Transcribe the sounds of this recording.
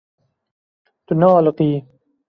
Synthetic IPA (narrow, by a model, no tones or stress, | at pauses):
t̪unaːlqiː